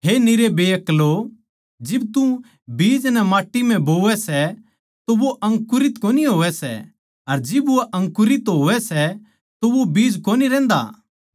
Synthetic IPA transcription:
ɦenɪɾebeːɐklo | d͡ʒɪbt̪ũ | biːd͡ʒnɛmaːʈːim̤ɛ̃boːʋɛsɛ | t̪oʋoʔɐ̃ŋkʊɾɪt̪koːniɦoːʋɛsɛ̰ | ɐɾd͡ʒɪbʊɛʔɐ̃ŋkʊɾɪt̪ɦoːʋɛsɛ | t̪oʋobiːd͡ʒkoːniɾɛ̃ːnd̪a̰ː

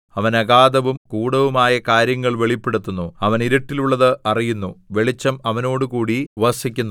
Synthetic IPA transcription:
ɐʋɐnɐɡaːd̪ɐʋumkuːɽɐʋumaːjɐkaːɾjɐŋːɐɭʋe̞ɭipːeɽut̪ːunːuɐʋɐniɾiʈːiluɭːɐðɨʔɐrijunːuʋe̞ɭit͡ɕːɐmɐʋɐno̞ːɽukuːɽiʋɐsikʲːunː

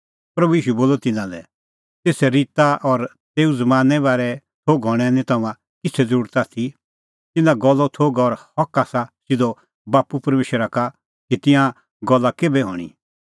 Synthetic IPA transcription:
pɾɐbuiːʃuboːlɔt̪ɪnãlɛ̰ | t̪eːsɛɾɪt̪aʔɔɾ | t̪eːud͡zɐmãːnɛbaːɾɛ | t̪ʰoːɡɦɔːɽ̃ɛnĩt̪ʰɐmã | kɪt͡sʰɛd͡zɐɾuːɾt̪aːt̪ʰi | t̪ɪnãɡɔlːɔt̪ʰoːɡɔɾhɐkaːsasɪd̪ɔ | baːpupɐɾmeːʃəɾaka | kit̪ɪ̃ã | ɡɔlːakeːbɛɦɔ̰ːɽ̃ḭ

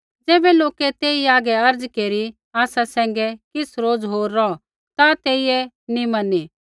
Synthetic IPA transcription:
d͡zeːbɛloːkɛt̪eːiaːɡɛɐɾd͡zkeːɾi | aːsasɛ̃ːŋ̆ɡɛkɪsɾoːd͡zɦoːɾːɔ | t̪at̪eːiɛ | nimɐnːiː

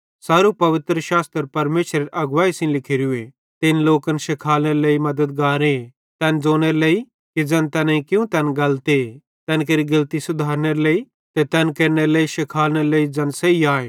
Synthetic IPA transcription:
saːɾupɐʋɪt̪ɾəʃaːst̪əɾpɐɾmeːʃɾeɾʔɐɡʋaːisɪ̃nlɪkʰɪɾʊe | t̪ɪnloːkənʃɪkʰaːlneɾleːimɐd̪əd̪̚ɡaːɾẽ | t̪ɛːnd͡zoːñeɾlei | kid͡zɐnt̪ɛneikjũt̪ɛːnɡɐlt̪e | t̪ɛːnkeɾiɡɐlt̪isʊd̪ʱaːɾneɾlei | t̪et̪ɛːnkeːɾneɾleːiʃɪkʰaːlneɾleːid͡zɐnseiaːeː

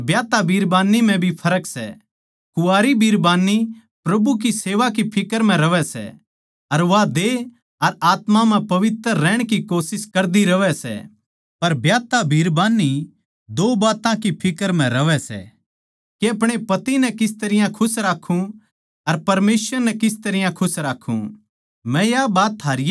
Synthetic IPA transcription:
bjaːt̪abʱiːɾbaːnːimɛ̃bʱipʰɐɾəksɛ̰ | kʊaːɾibʱiːɾbaːnːi | pɾɐbuk̬iseːʋak̬ipʰɪkəɾm̤ɛ̃ɾɐʋɛsɛ̰ | ɐɾʋad̪e | ɐɾaːt̪mamɛ̃pɐʋɪt̪əɾːɛːɽ̃kikoːsɪskɐɾd̪iɾɐʋɛsɛ̰ | pɐɾbjaːt̪abʱiːɾbaːnːi | d̪oːbaːt̪ãkipʰɪkəɾm̤ɛ̃ɾɐʋɛsɛ̰ː | keɐp̬ɽ̃epɐt̪inɛkɪs̬t̪ɐɾɪjãkʰʊsɾaːkʰːũ | ɐɾpɐɾmeːsʋəɾnɛkɪst̪ɐɾɪjãkʰʊsɾaːkʰːṵ̃ | mɛ̃jabaːt̪ʰːaːɾi

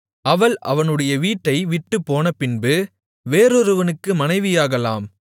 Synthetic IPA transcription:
ʔɐʋɐɭʔɐ̰ʋɐnɯɽɐjɐʋiːʈːɐɪʋɪʈːɯpːoːnɐpɪnbɯ | ʋeːɾɔɾɯʋɐnɯkːɯmɐnɐɪʋɪjaːɣɐla̰ːm

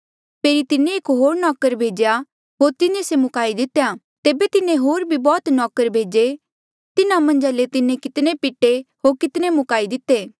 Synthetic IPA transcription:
pʰeːɾit̪ɪnẽeːkɦoːɾnɔːkəɾbʱeːd͡ʒja | ɦoːɾt̪ɪnẽsemʊkaːid̪ɪt̪ːeja | t̪eːbet̪ɪnẽɦoːɾbʱibɔːt̪nɔːkəɾbʱeːd͡ʒe | t̪ɪnamɐ̃nd͡ʒalet̪ɪnẽkɪt̪nepɪʈːeɦoːɾkɪt̪nemʊkaːid̪ɪt̪ːeː

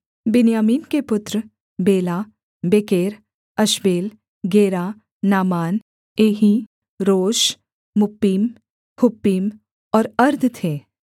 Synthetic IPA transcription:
bɪnjaːmiːnkepʊt̪ɾ | beːla | beːkeːɾ | ɐʃbeːl | ɡeːɾaː | aːmaːn | eːɦi | ɾoːʃ | mʊpːiːm | hʊpːiːm | ɔːɾɐɾd̪ʱt̪ʰeː

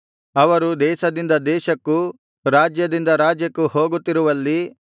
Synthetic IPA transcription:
ɐʋɐɾud̪ɛːʃɐd̪ind̪ɐd̪ɛːʃɐkːu | ɾaːd͡ʒjɐd̪ind̪ɐɾaːd͡ʒjɐkːuho̞ːɡut̪ːiɾuʋɐlːi

